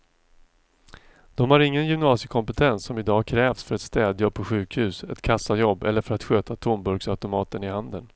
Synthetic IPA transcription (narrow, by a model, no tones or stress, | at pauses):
d̪̥ɔmhaɾɪŋːənjʏmnɑːsjəkʰɔmpɛt̪ʰɛnsːɔmɪd̪ɑːkʰɾɛːvsfœɾɛt̪st̪ɛːd̪jɔpʰɔɧʉ̟ːkhʉ̟ːsɛt̪kʰasːajɔbːɛlːəɾfœɾat̪ɧøːt̪at̪ʰʊmbɵɾɡsaʉt̪ʊmɑːt̪ənɪhand̪ən